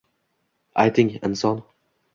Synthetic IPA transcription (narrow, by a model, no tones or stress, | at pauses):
ʔaɪt̪ɪ̃ŋɛ̰̃nsɔ̃n